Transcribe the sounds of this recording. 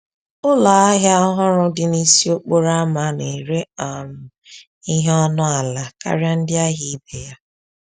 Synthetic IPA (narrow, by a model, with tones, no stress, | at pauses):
ʊ˦la˨a˦ɦja˦a˦ɦʊ˦ɾʊ˦dɪ˦ni˦si˦o˦k͡po˦ɾa˦ma˨ne˨ɾe˦a˨nʊ˨ | i˦ɦe˦ɔ˦nʊ˦a˨la˨ka̰˦ɾja˦n̩˦dɪ˦a˦ɦi˨i˦be˨ja˦